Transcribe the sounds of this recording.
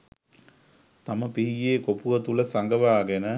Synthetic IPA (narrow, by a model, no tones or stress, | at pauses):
t̪aməpiɦijeːkopuʋət̪uləsaŋɡəʋaːɡenə